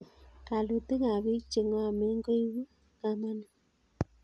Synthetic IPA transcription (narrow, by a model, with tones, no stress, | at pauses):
ka˨lu˨te˦ŋa˨βi˦t͡ʃe˨ŋ˦a˨me˦ŋɡo˦i˦wu˦ | ŋa˨ma˦na˨